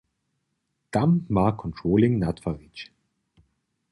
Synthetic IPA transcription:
d̥ammaːkʰɔ̃ntʰɹoːlɪŋnatfavit͡ʃ

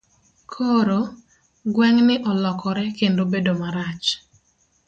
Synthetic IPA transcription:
kʰoɾo | ɡwɛŋnɪʔɔlɔkɔɾɛkendobedomaɾat͡ʃ

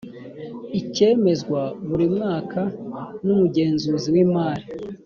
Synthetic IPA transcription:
ice̞ːme̞zɡwaβuɾimŋaːkʰanumuɟe̞ːnzuːziwiːmaːɾi

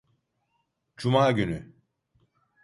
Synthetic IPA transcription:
d͡ʒumaːɟyny

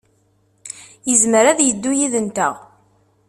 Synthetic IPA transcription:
jəzməɾæðjəd̪ːujiðənt̪ə̰ʁ

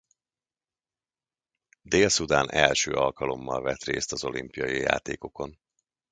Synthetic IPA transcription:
d̪eːlsud̪aːnɛlʃøːʔɒlkɒlo̞mːɒlvɛt̪reːst̪ɒzo̞limpijɒjija̰ːt̪eːko̞ko̞n

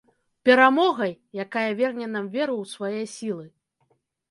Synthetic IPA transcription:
pʲɛɾamɔɣɐjːakajɐvʲɛrnʲɛnamvʲɛɾɐwsvajɛsʲilˠɨ

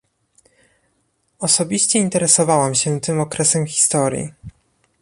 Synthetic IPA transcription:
ɔsɔbʲiɕt͡ɕɛint̪ɛɾɛsɔvawamɕɛt̪ɘmɔkɾɛsɛmxʲi̥st̪ɔɾʲjḭ

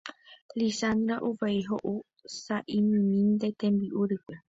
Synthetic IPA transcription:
lisand̪ɾaʔuʋaiɦoʔu | saʔimɨ̃mĩnd̪et̪ẽmbiʔuɾɨkʷe

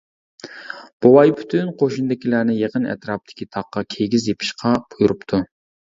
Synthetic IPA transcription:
b̥owɑjpʰy̥t̪ʰynqʰoʃund̪ɪkʲʰilæɾnɪjeqənɛ̰t̪ɾɑːp̚d̪̥ʰɪ̥kʲʰit̪ʰɑqːɑkʲʰeɡʲizjepʰi̥ʃqʰɑb̥ujuɾupt̪ʰu

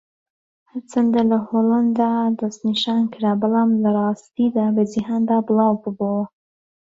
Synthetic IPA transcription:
hɐɾt͡sʰɐnd̪alɐhoːland̪aːd̪ɐst̪niʃaːnkʰɨɾaːbɑlˠaːmlɐrˤɑːst̪iːd̪aːbɐziɦaːnd̪aːbɨlˠɑːwbɨbowɐ

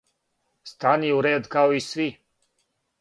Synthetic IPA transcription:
st̪aniuɾeːd̪kaoisʋi

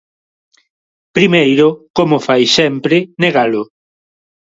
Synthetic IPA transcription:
pɾimejɾʊkomʊfajsɛmpɾɪneɣalʊ

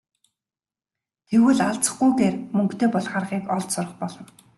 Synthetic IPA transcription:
t̪ʰewwɘ̆ɮaɮt͡sə̆χɡujɡeːrmɵŋkt̪ʰeːpɔɮχarʁiːkɔɮt̪sʊrə̆χpɔɮɞ̆n

